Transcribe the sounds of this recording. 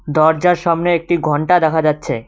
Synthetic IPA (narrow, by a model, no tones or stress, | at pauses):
d̪ɔɾd͡ʑaɾʃabneek̚ʈiɡʱɔɳʈad̪ɛkʰad͡ʑatːɕʰḛ